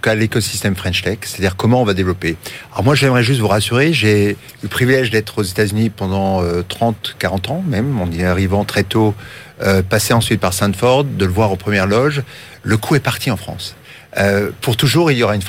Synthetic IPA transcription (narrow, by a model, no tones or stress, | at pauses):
ukalekɔsi̥st̪ɛmfχɛ̃nʃt̪ɛkse̥t̪ad̪iʁkɔmɑ̃ɔ̃vad̪evlɔpeaɔ̰ʁmwaʒɛmʁɛʒys̬t̪vuʁasyʁeʒe | ypχivilɛʒd̪ɛt̪χozet̪azynipɑ̃d̪ɑ̃øt̪χɑ̃t̪kaʁɑ̃t̪ɑ̃mɛmɑ̃niaʁivɑ̃t̪χɛt̪o | øpaseɑ̃sɥit̪̚paʁsɛ̃nt̪fɔʁd̪ːələvwaʁopχəmjɛʁlɔʒ | ləkʰuɛpaʁt̪ʰiɑ̃fχɑ̰̃s | øpuʁt̪uʒuʁiljɔʁaynf